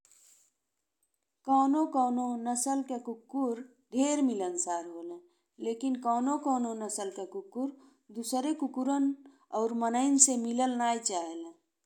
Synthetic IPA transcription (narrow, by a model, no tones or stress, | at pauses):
kɔːnõkɔːnonəsəlkekʊkːuɾ | d̪ʱeːɾmɪlənsaːɾɦoːlẽ | leːkɪnkɔːnokɔːnonəsəlkekʊkːuɾ | d̪usɾekʊkuɾən | ɔːɾmənəɪnsemɪləlnaːit͡ʃaːɦelẽː